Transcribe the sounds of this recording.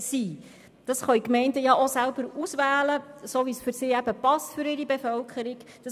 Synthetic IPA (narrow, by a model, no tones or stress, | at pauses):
siː | d̥ɑsχœɥkmɛɪntəjɑʔosælbəɾusʋæːləsovisfʏɾsɪːæb̥əpɑstfʏɾɪɾibefœlkʰəɾɪɡ̥d̥ɑ